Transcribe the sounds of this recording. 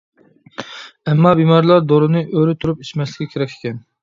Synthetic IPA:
ɛmːɑbimɑɾlˠɑɾd̪oɾɨnɨʔøɾɪt̪ʰuɾupi̥t͡ʃmɛslʲɪkʲʰːɛkʲʰeɾɛkʲʰːe̥kʲɛn

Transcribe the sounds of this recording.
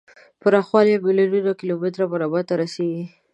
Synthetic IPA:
pəɾɑxwɑljabelaɾud̪akɪlomɪt̪ɾabaɾɑbat̪aɾaseɡi

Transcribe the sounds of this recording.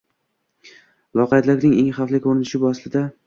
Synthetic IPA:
lˠɒqɑjat̪lɪkʲnɪŋeŋχɑflɪkʲʰoɾɪnɪʃɪbʊaslɪd̪a

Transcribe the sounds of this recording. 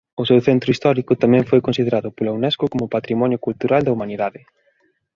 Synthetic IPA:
ʊsɛwθɛnt̪ɾʊist̪ɔɾikʊt̪amɛ̃ɱfojkonsið̞eɾaðʊpolewnɛskʊkomʊpat̪ɾimɔnjʊkult̪uɾald̪ɐumaniðaðɪ

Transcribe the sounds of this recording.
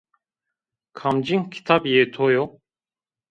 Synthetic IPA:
kʰamd͡ʒiŋkʰi̥t̪ʰapjet̪ʰojo

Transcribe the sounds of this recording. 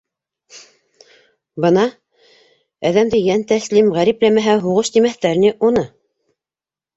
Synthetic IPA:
bɤ̆nɑ | æðæmd̪ɘjænt̪æslimʁæɾiplæmæɦæɦuʁɤʃt̪imæθt̪æɾniʔunɤ

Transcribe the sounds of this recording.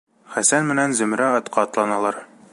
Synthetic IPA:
χæsænmɘ̆nænzɵ̆mɾæɒt̪qʰɑːt̪lˠɑnɑlˠɑɾ

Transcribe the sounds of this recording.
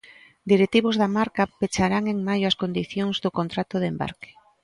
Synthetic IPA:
d̪iɾet̪iβ̞ozðamaɾkapet͡ʃaɾaŋeŋmajʊɐskond̪iθjoŋzðokont̪ɾat̪oðemba̰ɾke̥

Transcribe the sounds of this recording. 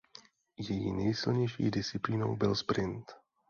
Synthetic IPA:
jɛjḭnɛjsɪlɲɛjʃḭːdɪst͡sɪpliːno̞̰wbɪlspɾɪnt̪

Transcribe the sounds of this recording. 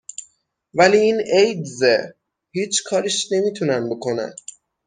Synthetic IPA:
væliːiːnejd̪ze | hiːt͡ʃʰkʰɒːɾiʃne̞miːt̪ʰunænbe̞kʰo̞næ̰n

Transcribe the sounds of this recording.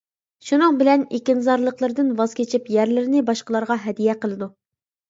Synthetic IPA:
ʃunɨŋbɪlɛnekʲinzɑɾlˠəqlˠəɾd̪ɨnwɑzkʲʰet͡ʃʰipjæɾlɪɾɪnɪbɑʃqəlˠɑɾʁɑɦɛd̪ijɛqəlˠɨd̪u

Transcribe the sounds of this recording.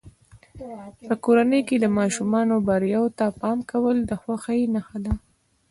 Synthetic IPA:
pəkoɾanəjked̪əmɑʃumɑnobaɾjɑwot̪apɑmkawəld̪əxwaxajenaxad̪a

